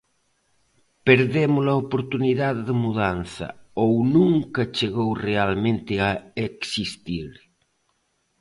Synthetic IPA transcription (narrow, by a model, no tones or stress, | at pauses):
peɾðemolaopoɾt̪uniðaððemuðanθɐ̰ownũŋkɐt͡ʃeɣowrealmẽnt̪ɪaeksist̪iɾ